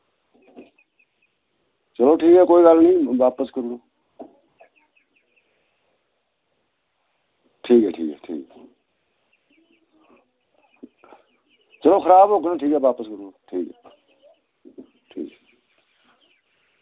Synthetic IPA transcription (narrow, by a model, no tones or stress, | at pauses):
t͡ʃəloːʈʰiːkɦɛːkoːiːɡəlnĩːʋaːpəskəɾloː | ʈʰiːkɦɛːʈʰḭːkɦɛ̰ːʈʰḭːkɛ | t͡ʃəloːxʰəɾaːbɦoːkənãʈʰiːkɦɛːʋaːpəskəɾloːʈʰiːkɛː | ʈʰḭːkɦɛː